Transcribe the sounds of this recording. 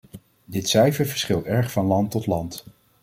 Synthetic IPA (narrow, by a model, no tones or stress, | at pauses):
dɪtsɛjvəɹvəɹsχɪlˠtɛɹχfɑnlɑntɔtlɑnt